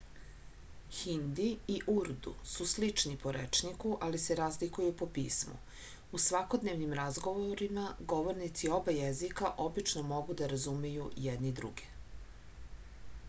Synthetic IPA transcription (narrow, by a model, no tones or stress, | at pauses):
xind̪iiʔuɾd̪ṵsuslit͡ʃnipo̞ɾet͡ʃnikuʔaliseɾazlikujupo̞pḭːsmṵ | usʋako̞d̪neʋnimɾazɡoʋoɾimaɡo̞ʋoɾnit̪sio̞bajezikaʔo̞bit͡ʃnomo̞ɡud̪aɾazumejujɛd̪nid̪ɾṵɡe̥